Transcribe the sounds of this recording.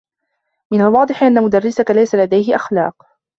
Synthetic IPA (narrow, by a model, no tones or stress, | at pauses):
mɪnalwɑːd̪ˤɨħʔanːamʊd̪arːɪsakalajsalad̪ajɦɪʔaxlɑ̰ːq